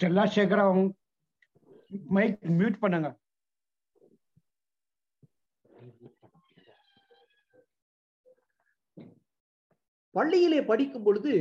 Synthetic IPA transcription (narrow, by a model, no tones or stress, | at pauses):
ɐlːãːseːkɐɾaːŋ | mɐɪkmjuːʈpɐɳːɐŋɡɐ | pɐɭːɪjɪleːpɐɽɪkːɯmpɔɻɯðɯ